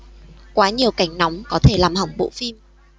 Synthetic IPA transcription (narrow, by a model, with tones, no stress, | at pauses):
kwaː˨˦ɲi˨˩əwka˧˩jŋ̟nɔ˨˦wŋ͡mkɔ˨˦t̪ʰe˧˩laː˨˩mhə˨˩wŋ͡mɓo̰˧˨fi˧m